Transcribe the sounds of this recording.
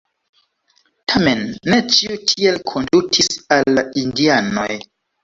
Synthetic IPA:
tʰame̞nːe̞t͡ʃiutʰie̞lkʰo̞ndutʰisalːaindiano̞j

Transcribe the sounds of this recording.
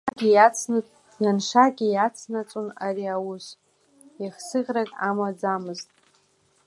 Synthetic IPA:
aɡʲiat͡sʰ | janʂaɡʲijat͡sʰnat͡sʷʼona̰riawʊs | iχsɨʁʲrakʼamad͡zamɨztʼ

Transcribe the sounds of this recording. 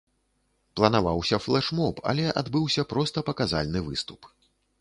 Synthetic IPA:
plˠɐnavawsʲɐflˠɛʂmɔpʰɐ̰lʲɛʔad̪bɨwsʲɐpɾɔst̪ɐpɐkaza̰lʲnɨvɨ̰st̪u̥p

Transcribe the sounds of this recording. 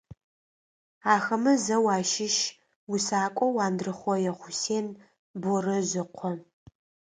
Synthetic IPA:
aːxɐmɐzɐwaːʃɪʃ | wʊsaːkʷʼɔwaːndrɨχʷɔjɛχʷʊseːn | bɔrɐʑɪqʷʰɔ

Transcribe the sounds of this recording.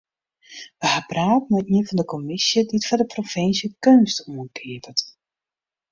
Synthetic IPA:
ʋəhapraːtnmɛiənvɔndəkɔmɪsjədiətfadəprofɪnsjəkønstuənkʰɪəvət

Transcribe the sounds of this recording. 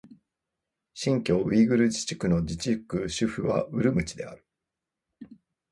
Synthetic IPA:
ɕĩŋkʲo̞ːβʲiːɡɯ̟ɾɯ̟d͡ʑi̥t͡ɕi̥kɯ̟no̞d͡ʑit͡ɕikɯ̟ɕɨɸɯ̟βa̰ɯ̟ɾɯ̟mɯ̟t͡ɕid̪e̞a̰ɾɯ̟̥

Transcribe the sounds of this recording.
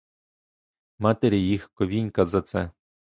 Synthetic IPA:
mɑt̪eɾʲijixkɔʋʲinʲkɐzɐt̪sɛ

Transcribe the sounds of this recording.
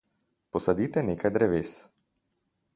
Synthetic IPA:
pɔsad̪it̪ɛneːkajd̪ɾɛʋeːs

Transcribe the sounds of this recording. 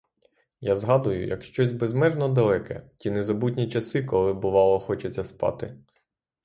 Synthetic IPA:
jazɦɑd̪ʊjʊ̰jɐ̰kʃt͡ʃɔzʲbezmɛʒnɔd̪ɐlˠɛkʰɛ̰tʲinezɐbut̬ʲnʲit͡ʃɐsɪkɔlˠɪbʊʋɑlˠɔxɔt͡ʃet͡sʲːɐspɑ̰t̪ɪ

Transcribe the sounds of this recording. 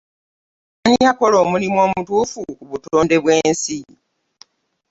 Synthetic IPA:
aɲiako̞lo̞ːmulimwo̞ːmutuːfukuβutoːnde̞βwe̞ːnsi

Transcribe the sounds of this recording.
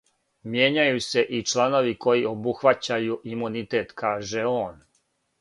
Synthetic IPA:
mje̞ːɲajuse̞ʔit͡ʃlˠano̞ʋiko̞jio̞buxʋat͡ɕajuʔimunit̪eːt̪kaːʒe̞oːn

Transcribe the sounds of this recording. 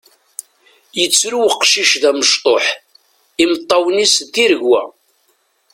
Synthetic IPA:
jət͡sːɾuwəqʃiʃðæməʃt̪ˤoħ | imət̪ˤːɑwnist̪ːiɾəʝwæ̰

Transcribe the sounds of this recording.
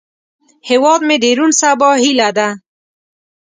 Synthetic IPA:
hewɑd̪med̪eɾunsabɑhilad̪a

